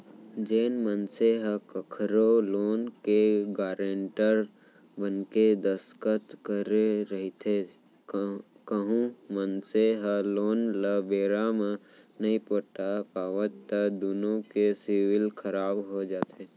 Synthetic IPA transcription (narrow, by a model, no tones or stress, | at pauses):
d͡ʒeːnmənseɦəkəkʰɾoloːnkeɡaːɾeɳʈəɾ | bənked̪əskət̪kəɾeɾəɦit̪ʰe | kəɦũmənseɦəloːnləbeːɾamẽ | nɐipoʈapaːʋət̪ːəd̪oːnõkesɪwɪlkʰəɾaːbɦod͡ʒaːt̪eː